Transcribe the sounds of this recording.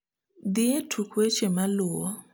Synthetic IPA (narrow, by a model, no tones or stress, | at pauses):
d̪ietʰukʰwet͡ʃɛmaluːwɔ